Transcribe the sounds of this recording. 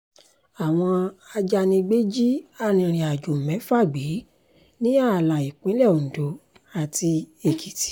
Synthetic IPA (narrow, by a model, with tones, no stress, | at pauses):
a˨w̃ɔ̃˧a˧d͡ʒa˧nĩ˧ɡ͡be˦d͡ʒi˦a˧nĩ˧ɾ̃ĩ˨a˨d͡ʒu˨mɛ̃˨˦fa˦˨ɡ͡be˨˦ | nĩ˦a˦˨la˨i˨k͡pĩ˨˦lɛ˦˨o˨n̩˨do˨˦ | a˨ti˧e˨ki˨˦ti̥˨˦